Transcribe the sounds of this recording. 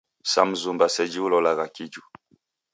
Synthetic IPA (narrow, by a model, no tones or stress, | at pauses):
sa̰m̩zumbasɛd͡ʒiulɔlaɣakid͡ʒu